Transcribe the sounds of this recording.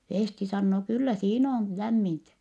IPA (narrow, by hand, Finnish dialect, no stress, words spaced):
feˑsti sɑnːoː kylːæ siːn oːn læmːintæ